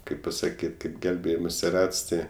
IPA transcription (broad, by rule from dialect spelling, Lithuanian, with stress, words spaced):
ˈkɐɪp pɐsɐˈkʲiːtʲ kɐɪp ˈɡʲɛlʲbʲeːjɪmoːsʲɪ ˈrɐts ˈtʲɪ